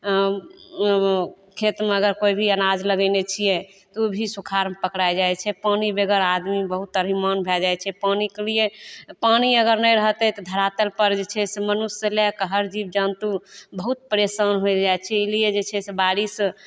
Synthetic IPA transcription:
kʰet̪meəɡəɾkoibʱiənad͡ʒləɡənet͡ʃʰijɛ | t̪ubʱisukʰaɾmepəkɾajd͡ʒajt͡ʃʰɛpanibeɡəɾad̪mibəɦut̪əɾimənbʱɛld͡ʒajt͡ʃʰɛpanikelijepañiəɡəɾnəjɾəɦt̪ɛt̪ɔd̪ʱəɾat̪əlpəɾd͡ʒet͡ʃʰɛsemənusːelɛkɦəɾd͡ʒib̚d͡ʒənt̪ubəɦut̪̚pəɾesənɦojd͡ʒajt͡ʃʰɛilijed͡ʒet͡ʃʰɛsebaɾis

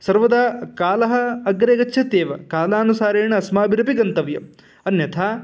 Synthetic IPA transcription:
sɐɾʋɐd̪ɐkaːlɐɦɐ̆ɐɡɾeɡɐt͡ʃːʃʰɐt̪eːʋɐ̰kaːlaːnusaːɾeːɳɐɐsmaːbiɾɐpiɡɐnt̪ɐʋjɐ̰m | ɐnjɐt̪ʰaː

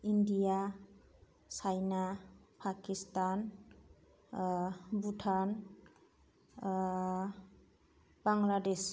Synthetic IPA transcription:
indija | sajnapʰakistan | butʰan | b̥aŋlades

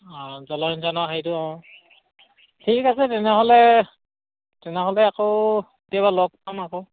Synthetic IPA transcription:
ãzɔlɔnzanɔɦejtʊɔ̃ | tʰikasɛtɛnɛɦɔlɛ | tɛnɛɦɔlɛakow | etijabalɔk̚pamako

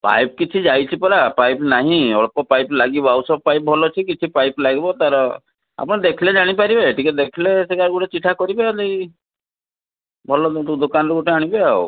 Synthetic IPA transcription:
pa̰jp̚kit͡ʃʰid͡ʒajt͡ʃʰipɔɾapajpnaɦĩɔɭɔpɔpajplaɡibɔawsɔb̚pajp̚bʱɔlɔt͡ʃʰikit͡ʃʰipajplaɡibɔt̪aɾɔ | a̰pɔɽ̃ed̪ekʰiled͡ʒaɽ̃ipaɾibaeʈiked̪ekʰileseɡaɾɡuʈet͡ʃiʈʰakɔɾibelej | bʱɔlɔud̪okanɔɾɔɡuʈeaɽ̃ibeao

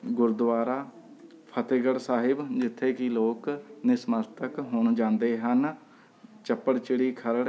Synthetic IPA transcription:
ɡʊɾd̪ʋaːɾaː | pʰət̪eːɡəɽsaːɦɪbd͡ʒɪt̪ʰːeːkɪloːknɪsməlt̪əkɦʊɳd͡ʒãːnd̪eːɦən | t͡ʃəpːəɽt͡ʃɪɽiːkʰəɾɽ

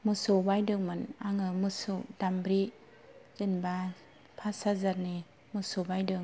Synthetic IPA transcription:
mɯsobajdɯŋmɯnaŋɯmɯsudambɾi | zɯnba | pʰasazaɾni | mɯsubajdɯŋ

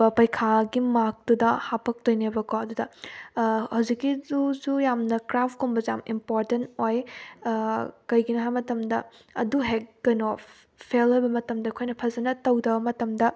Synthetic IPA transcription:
ɐpɐjkʰaɡimak̚tudɐhapʰɐk̚tojnebɐkoɐdudɐ | hɐwzikːizuzujamnɐkɾapʰkombɐza̰mimpoɾtentoj | kɐjɡinɦajmɐtɐmdɐ | ɐ̰duɦek̚ːɐjno | pʰelojbɐmɐtɐmdɐkʰojnɐpʰɐzɐnɐtɐwdɐbɐmɐtɐmdɐ

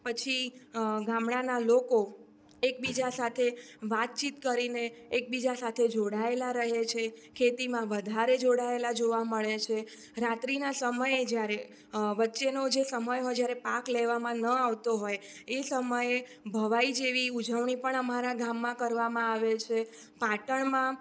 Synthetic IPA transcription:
pət͡ʃʰiɡãmɽanaloko | ekbid͡ʒasat̪ʰeʋat̪̚t͡ʃit̪kəɾineːk̚bid͡ʒasat̪ʰed͡ʒoɽaelaɾəɦet͡ʃʰekʰet̪imãʋəd̪ʱaɾed͡ʒoɽaelad͡ʒoʋaməɭet͡ʃʰe | ɾat̪ɾinasəməjed͡ʒjaɾe | ʋətːʃenod͡ʒesəməjɦojd͡ʒjaɾepakleʋamãnəaʋt̪oɦoj | esəməjebʱəʋaid͡ʒeʋiud͡ʒəʋɳipəɳəmaɾaɡamːãkəɾʋamãaʋet͡ʃʰe | paʈəɳmã

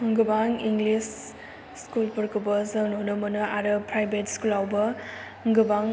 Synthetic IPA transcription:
ŋɡɯbaŋiŋɡlis | skulpɯɾkɯbɐsɐnonɯmɐnɯaɾɯpɾajbetskulawbɐ | ŋɡɯbaŋ

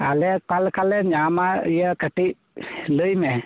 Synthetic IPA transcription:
alɛpalkalɛɲamaijəkəʈiʔ | ləjmɛ

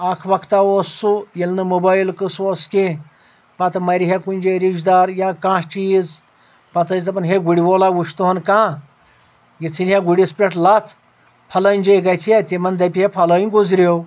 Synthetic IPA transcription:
aːkʰʋɐkʰt̪aoːsːujilnɨmobaːjlkɨsoːskẽ | pɐt̪ɨmɐɾʲiɦekunʲd͡ʒeɾid͡ʒd̪aːɾjãːkãːʂt͡ʃiːz | pɐt̪ɐjʲt̪ɐpɐnɦeɡuɽʲiʋoːlaːwuʃt̪uɦɐnkãː | jit͡sʰilʲɦãɡuɽʲispɾʲeʈlat̪ʰ | pʰɐlɐnʲd͡ʒeɡɐt͡sʰjat̪ʲemɐnd̪ɐpʲiɦepʰɐlɐːjnʲɡuzɾʲow

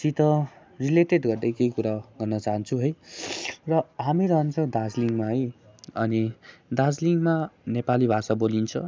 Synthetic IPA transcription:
t͡sit̪ʌ | rileʈeɖɡʌrd̪ʌjkejkuɾaɡʌrnʌt͡saɦʌnt͡sʰuɦʌj | rʌɦamiɾʌɦʌnt͡sʰʌw̃d̪ad͡zliŋmaɦʌjʌnid̪ad͡zliŋmanepalibʱasabolint͡sʰʌ

